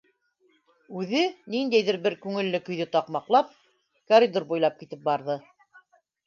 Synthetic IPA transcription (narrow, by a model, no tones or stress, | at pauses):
ʉðɘnind̪æjðɘɾbɘɾkʉŋɘ̆lːɘkɵ̆jðɘt̪ɑqmɑqlˠɑp̚ | kɐɾʲid̪oɾbujlˠɑp̚kit̪ɘp̚bɑɾðɤ